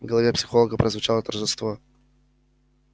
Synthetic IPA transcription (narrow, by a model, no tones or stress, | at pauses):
vɡəlˠɐvʲepsʲɪxolˠəɡəpɾʔəzvʊt͡ɕalˠət̪ərʐɨst̪vo